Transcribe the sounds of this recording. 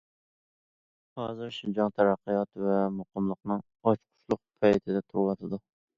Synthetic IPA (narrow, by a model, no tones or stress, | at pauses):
hɑzɨɾʃʊd͡ʒɑŋt̪ʰæɾɑqːɨjɑt̪væmʊqɨmlˠəqnɨŋ | ɑt͡ʃqʰʊ̥ʃlˠʊq̚pʰɑjt̪ʰɪd̪ɛt̪ʰowɑt̪ʰɪd̪ʊ